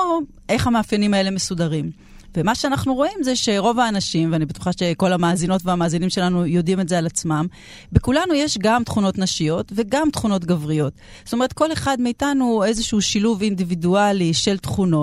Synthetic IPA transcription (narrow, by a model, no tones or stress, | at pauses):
o | ʔe̞χhamaːfjanimae̞le̞mesudaʁim | vemaʃeanaχnuʁo̞imzeʃe̞ʁo̞vaːnaʃimveanibetu̥χaʃe̞ko̞lamaːzino̞tveamaːzinimʃe̞lanujo̞dimetzealat͡smam | bekulanujeʃɡamtχuno̞tnaʃijo̞tve̞ɡamtχuno̞t̬ɡavʁijo̞t | zo̥tome̞ʁet̚ko̞leχadmeitanue̞zeʃuːʃiluvindividualiʃe̞ltχuno